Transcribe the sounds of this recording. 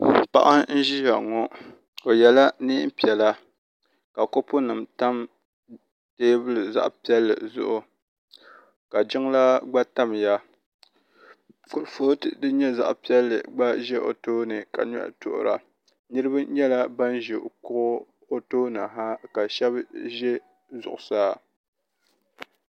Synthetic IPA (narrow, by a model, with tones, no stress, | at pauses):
pa̰˦ʔa˦n̩˦ʒi˦ja˨ŋɔ˦ | o˨jɛ˨la˦ni˦pi˨ɛ˨la˦ | ka˨ko˦pʊ˦nɨ˨mta˦m | teː˦bɨ˦lɨ˨za̰˦ʔpi˦ɛ˦lːɨ̰˨zʊ̰˦ʔʊ˦ | ka˨d͡ʒɪ˦ŋ˦la˦ɡ͡ba˦ta˦m˨ja˦ | kʊ˨ɾfo˦tɨ˨dɨ˦ɲɛ˦za̰˦ʔpi˦ɛ˦lːɨ̰˨ɡ͡ba˦ʒɛ˦ʔo̰˨toː˦nɨ˨ka̰˨ɲ˦a̰˦ʔtʊ̰˨ʔʊ̰˨ɾa̰˨ | nɨ˦ɾɨ˦ba˦ɲɛ˦la˦ba˦nʒɪ˨ʔkʊ˦ɣʊ˦ | o˦to˦na˨ɦa˦ka˨ʃɛ˦bʒɛ˦ | zʊ̰˨ʔʊ˨saː˦